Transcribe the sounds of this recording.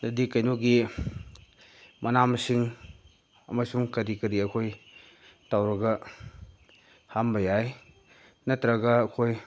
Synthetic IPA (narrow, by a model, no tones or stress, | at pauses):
dɐdikːɐjnoɡi | mʔɐnamsiŋ | ɐ̰masuŋkɐɾikɐɾiɐkʰoj | tawɾɐɡɐ | hambɐjaj | nɐtɾɐɡɐɐkʰoj